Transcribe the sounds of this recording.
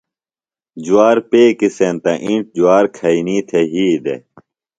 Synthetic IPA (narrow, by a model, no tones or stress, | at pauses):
d͡ʑuaːɾpeːkisent̪ɐ̃ʔĩɳʈ̚d͡ʑuaːɾkʰɐiniːt̪ʰeɦiːd̪ḛ